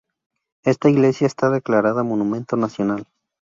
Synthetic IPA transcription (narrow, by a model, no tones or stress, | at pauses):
e̞st̪aiɣle̞sjaest̪aðe̞klaɾaðamo̞nũmẽ̞nt̪o̞nasjo̞nal